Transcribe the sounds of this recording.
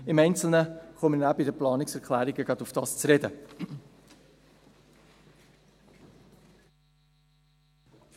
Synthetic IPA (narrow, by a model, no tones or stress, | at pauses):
ɪmɛɪnt͡sl̩ˠnəχɔmənæbəidəplɑːnɪksɛɾkʰlæːɾiɡəɡɑtufd̥ɑːst͡sɾɛdə